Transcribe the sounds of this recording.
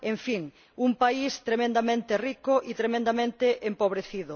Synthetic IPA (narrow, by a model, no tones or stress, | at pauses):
ẽɱfiŋ | umpaist̪ɾemẽnd̪amẽnt̪erikʊʔit̪ɾemẽnd̪amẽnt̪eʔempoβ̞ɾeθiðʊ